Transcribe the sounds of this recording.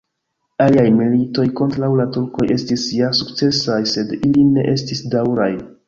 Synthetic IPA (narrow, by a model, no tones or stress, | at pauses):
aliajmilito̞jko̞ntɾawlatuɾko̞je̞stisjasukt͡se̞sajse̞diline̞̰ʔe̞stisdawɾaj